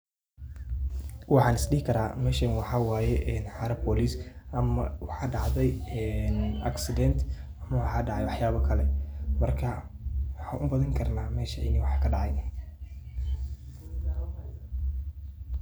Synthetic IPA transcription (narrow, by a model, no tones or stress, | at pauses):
wɑħɑːnɪsɗiːkʰɐɾaːmɛːʃɐnwɑħɑːwaːjɛʔɛːnħɑːɾɐbbɔːlisʔɐmɐwɑħɑːɖɑʕðɛjɛnɐ̰ksɪd̪ɛnt̪ʰ | ɐmɐwɑħɑːɖɑʕɑjwɑħjaːβɐkʰɐlɛmɐrkʰɐwɑħɑːnʔʊbɐðɐŋkʰɐrnaːmɛːʃɐʕɪ̰niwɑħkʰɐɖɑʕɑjn